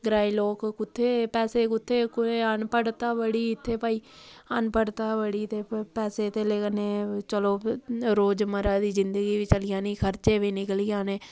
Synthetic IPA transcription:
ɡɾaːiːloːkkʊt̪ʰːeːpɛːseːkʊt̪ʰːeːkʊeənpəɽt̪aːbəɽiːɪt̪ʰːeːpaːiːənpəɽt̪aːʋəɽiːt̪eːpɛːseːt̪eːleːkəneːt͡ʃəloːɾoːd͡ʒməɾaːd̪iːzɪnd̪əɡiːʋit͡ʃəlɪjãːniːkʰəɾt͡ʃeːʋiːnɪkəliːjãːneː

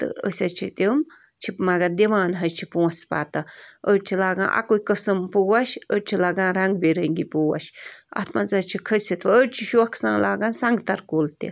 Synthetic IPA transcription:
t̪ɨ̰ə̰sʲɐt͡ʃʰit̪im | t͡ʃʰimaɡad̪iʋaːnɦɐt͡ʃʰipũːspa̰ːt̪ɐəɾt͡ʃʰilaːɡã̰ːʔa̰kojkəsɐmpuwaʃəɾʲt͡ʃʰilaɡãːɾɐŋɡ̚beɾəŋɡipuwa̰ʃɐ̰t̪ʰmazɐt͡ʃʰikʰəsit̪ʋɐəɾt͡ʃʰiʃuɐksãːlaːɡãːnsɐŋɡt̪ɐɾkolt̪ḭ

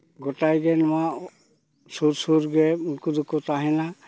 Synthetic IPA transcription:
ɡɔtajɡɛnɔwa | suɾsuɾɡɛunkud̪ukɔt̪aɦɛna

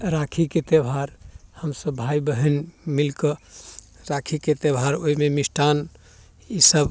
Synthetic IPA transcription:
ɾakʰiket̪ebʱaɾhəmsəbːʱaibəɦənmilkə | ɾakʰiket̪ebʱaɾoimemisʈʰan | isəb

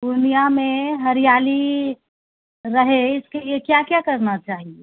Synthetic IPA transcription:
d̪unijameɦəɾijali | ɾəɦeɪskelijekjakjakəɾnat͡ʃaːɦie

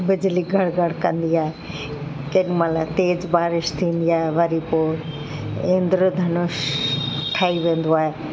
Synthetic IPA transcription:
bɪd͡ʑliɡʱɐɽɡʱɐɽkɐ̃nd̪iaːɦe | keɗmalat̪eːd͡ʑbaːɾɪʃt̪ʰĩːnd̪iaːɦeʋɐɾipoː | ẽːnd̪ɾəd̪ʱɐnʊʃ | ʈʰaːiʋẽːn̆d̪oaːɦeː

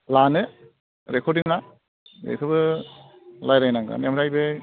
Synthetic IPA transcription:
lanɯ | ɾekʰɔɾdiŋna | ḛkʰɯbɯ | lajɾajnaŋɡa̰nemɾajbɯ

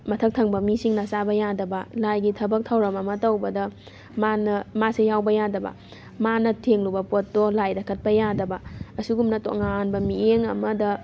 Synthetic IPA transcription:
mɐtʰɐk̚tʰɐŋbɐmisiŋnɐsabɐjadɐbɐlajɡitʰɐbɐk̚tʰawɾɐmɐmɐtɐwbɐdɐ | manɐmasejawbɐjadɐbɐ̰ | manɐtʰeŋlubɐpot̚dolajdɐkʰɐt̚pɐjadɐbɐɐsiɡumnɐto̰ŋanbɐmieŋɐmɐdɐ

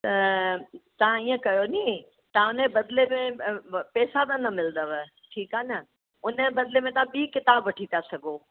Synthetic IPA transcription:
t̪ɐ | t̪ɐʋ̤ãiːə̃kɐjonĩ | t̪ɐãʊnbɐd̪lemẽpɛːsad̪ãnɐmɪlnd̪əʋ | ʈʰiːkaːnə | ʊnəbɐd̪lemẽt̪ɐʋ̤ãɓiːkɪt̪aːbʋɐʈʰit̪asɐɡʱo

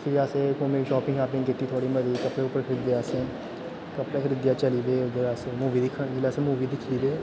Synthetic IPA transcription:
fʰɪɾaːseːkoːmeːʃɔːpɪ̃ŋɡaːpnĩŋkɪʈːiːt̪ʰoːɽiːməɾiːkəpɽeːʊpːəɾkʰɪɾɪd̪eaːsẽː | kəpɽeːkʰɪɾɪd̪jaːt͡ʃəliːd̪eːʊd̪əɾaseːmuːʋiːd̪ɪkʰːəilaːsẽmuːʋiːd̪ɪkʰːiːd̪eː

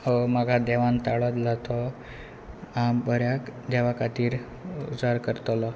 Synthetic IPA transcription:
ɔmaɡʱad̪ɛʋant̪aɭɔd̪lat̪ɔ | ambəɾjakd̪ɛʋakat̪iːɾ | ṵd͡zaɾkəɾt̪lɔ

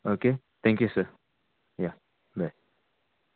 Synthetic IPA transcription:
oke | t̪ʰɛ̃ŋkjusə | ja | ba

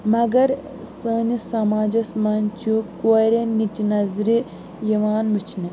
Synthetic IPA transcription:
mɐɡɐɾ | səːnisɐmaːd͡ʒɐsmɐnt͡ʃʰukoɾenitinɐzɾi | jɐʋaːnmɨt͡ʃʰni

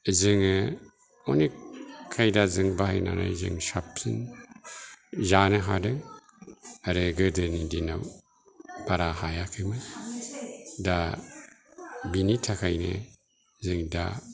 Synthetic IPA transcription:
zɯŋɯ | ɔnikʰːajdazɯŋbahajna̰na̰zɯ̰ŋsapsin | zanɯɦadɯŋ | aɾɯɡɯdɯnidina̰w | b̥aɾahajakʰɯmɯ | da | binitʰakʰajnɯ̰ | zɯŋda

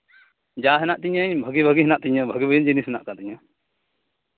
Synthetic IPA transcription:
d͡ʒaɦɛnaʔt̪iɲəɲbʱəɡibʱəɡiɦɛnaʔt̪iɲəbʱəɡibʱəjind͡ʒinisɦɛnaʔkat̪iɲə

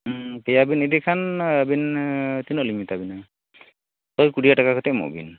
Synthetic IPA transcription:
tɛjabinedikʰanabint̪inɔlimitabina | tɔjkudijatakakʰɔtɛmo̰bḭn

